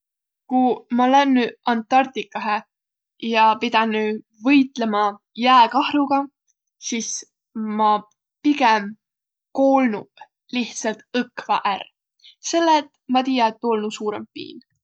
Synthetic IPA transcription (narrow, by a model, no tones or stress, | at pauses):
kumɑlænːyɑnt̪ːˑɑrt̪ikːˑɑɦe | jɑpid̪̥ɑnːy | vɤjt̪ˑlemɑ | jæːkɑhɾuɡ̥ɑ | sis | mɑ | piɡɛm | ko̞ːlnṵb̥ | liht̪sɑlt̪ɤkvɑ̰ʔær | se̞lːet̪ˑmɑt̪iːjɑet̪ːolnusuːɾḛmpḭːn